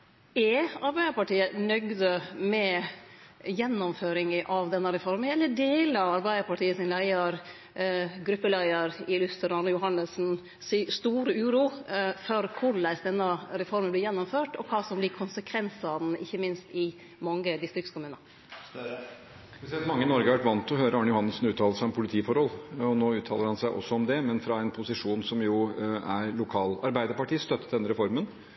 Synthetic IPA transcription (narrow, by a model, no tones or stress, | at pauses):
ɛɑɾbæɪd̪əɾpɑʈiːənœɡd̪əmɛ | jɛnːɔmføːɾɪŋəʔɑʋd̪ɛnːəɾɛfɔɾmənɛlːəɖeːləɑʋɑɾbæɪd̪əɾpʰɑʈiːəsɪnlæɪəɾ | ɡɾʉpːəlæɪəɾɪlʉst̪əɾɑnjʊɦɑnəsn̩ | sist̪uːɾəʉːɾuːfɔɾkʰʊɾɭæɪsd̪ɛnːəɾɛfɔɾmənb̪ɪɾjɛnːɔmføːʈɔkʰɑːsɔmblɪkʰʊnsəkʰʋɛnsɑd̪n̩ɪçːəmɪnst̪ɪ | mɔŋːəd̪ɪst̪ɾɪkskʰʊmʉːnə | spɛsɛlt̪mɑŋːəɪnɔɾɡəʋæʈʋɑnt̪ɔɦøːɾəɑːɳəjʊhɑnːəlsn̩ʉːt̪ʰɑːləʂæɪɔmpʰʊlɪt̪ʰiːfɔɾhɔlɔnoːʉːt̪ʰɑːləɾhɑnsæɪʔɔ̰sɔɔmd̪ɛmɛnfɾɑɛnpʰʊsɪʂuːnsɔmjʊæɾlʊkʰɑːlɑɾbæɪd̪əɾpɑʈʰiːst̪œt̪ːə̥d̪ɛnːəɾɛfɔɾmən